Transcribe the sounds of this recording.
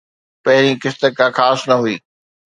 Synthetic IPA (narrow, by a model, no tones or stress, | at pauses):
pɐɦɪɾikɪst̪əkʰaxaːsnɐɦʊuiː